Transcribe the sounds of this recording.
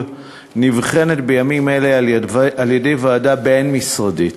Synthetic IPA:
nivχe̞ne̞tbe̞jamimelealje̞de̞jvoːdabenmisʁadit

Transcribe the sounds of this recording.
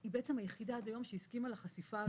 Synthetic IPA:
ibeʔet͡semhajeχid̪aad̪ajo̞mʃeiskimalaχasifaː

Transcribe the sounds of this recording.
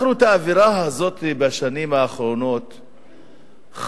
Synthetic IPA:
ɾut̪aːviɾaɦazo̞t̪ibaʃanimhaːχɾo̞no̞t̪ | χ

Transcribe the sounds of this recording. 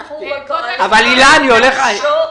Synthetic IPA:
avalilaːnioleχa

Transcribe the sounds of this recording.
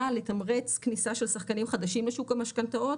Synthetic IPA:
alet̪amʁet͡sknisaʃe̞lsaχkanimχad̪aʃimleʃukamaʃkant̪aot

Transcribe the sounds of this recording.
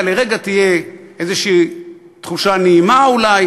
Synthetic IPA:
leʁeɡat̪ijeezeʃiː | t̪χuʃaneimaulaj

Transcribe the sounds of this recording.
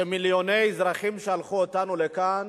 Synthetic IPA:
emiljone̞jzʁaχimʃealχuot̪anulekan

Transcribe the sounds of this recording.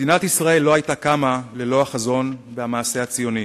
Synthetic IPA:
dinat̪isʁae̞lːo̞ɦajtakamalelo̞haχazo̞nveamaːse̞at͡sijo̞ni

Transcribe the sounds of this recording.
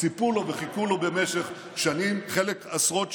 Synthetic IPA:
t͡sipulo̞veχikulo̞be̞meʃeχ | ʃanimχelekasʁo̞t̪

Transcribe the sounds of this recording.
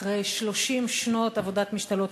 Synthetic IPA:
ʁejʃlo̞ʃimʃno̞t̪avo̞d̪at̪miʃt̪alo̞t̪

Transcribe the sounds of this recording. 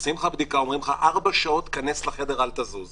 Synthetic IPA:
simχabd̪ikao̞mʁimχaʔaʁbaʃao̞t̪kaneslaχe̞deʁalt̪azuz

